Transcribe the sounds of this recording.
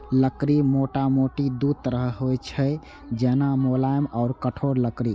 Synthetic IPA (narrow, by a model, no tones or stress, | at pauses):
ləkɾimoʈamoʈid̪ud̪̚t̪əɾəɦɦojt͡ʃʰə | d͡ʒenamolajmɔːɾkəʈʰoɾləkɾi